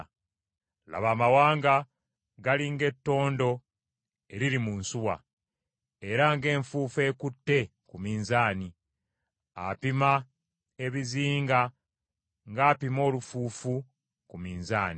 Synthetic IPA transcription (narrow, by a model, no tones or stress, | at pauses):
la̰βaːmawaːŋɡa | ɡaliŋɡe̞tːo̞ːndo̞ | e̞ɾiɾimunsuwa̰ | e̞ɾaŋɡe̞ːɱfuːfe̞ːkutːe̞ | kumiːnzaːni | a̰pima | e̞βiziːŋɡa | ŋɡaːpimo̞ːlufuːfu | kumiːnzaːni